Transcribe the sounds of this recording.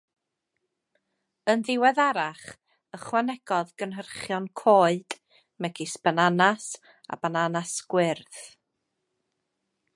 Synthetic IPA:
ənðɪwɛðaɾaχ | əχwanɛɡ̥ɔðɡənɦərχjɔnkʰoːɨd̥ | mɛɡɪspənanas | a̰bananasɡ̥wɪrθ

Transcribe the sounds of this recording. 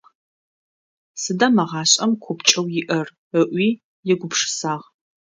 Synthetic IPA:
sɨdɐmɐʁɑːɕʼɐmkʷʰʊpt͡ʃʼɐwjɪʔɐr | əʔʷiː | jɛɡʷʊpʂɨ̥saːʁ

